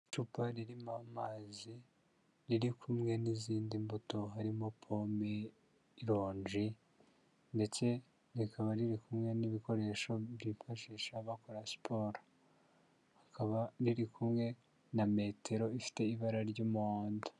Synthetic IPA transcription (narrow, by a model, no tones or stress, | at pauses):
t͡ʃupaɾiɾimamazi | ɾiɾikʰumŋe̞niziːndimbuto̞ɦaɾimo̞pʰome | iɾo̞ːɲʒi | nde̞t͡se̞ | ɾikʰaβaɾiɾikumŋe̞niβiko̞ɾe̞ʃo̞biɱfaʃiʃaβakoɾasi̥pʰo̞ːɾa | hakaβaɾiɾikʰumŋe̞ | name̞tʰe̞ɾo̞ifi̥te̞iβaɾaɾɟomuaːndu̥